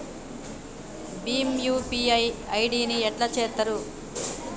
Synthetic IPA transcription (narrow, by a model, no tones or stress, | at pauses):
bimjuːpiɐjɐjɖiːniɛʈlɐt͡ʃɛːt̪ːɐɾu